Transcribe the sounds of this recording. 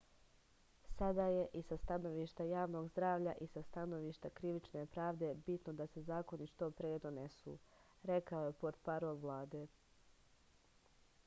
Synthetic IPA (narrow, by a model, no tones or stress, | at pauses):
sad̪aːje̞ʔisast̪ano̞ʋiːʃt̪ajaːʋno̞ːɡzd̪ɾaːʋʎa̰ʔisast̪ano̞ʋiʃt̪akɾiʋit͡ʃnepɾaːʋd̪e̞bit̪nod̪ase̞zaːkoniʃt̪opɾeed̪onesṵː | ɾekaoje̞poɾt̪paɾoːlʋlˠaːd̪e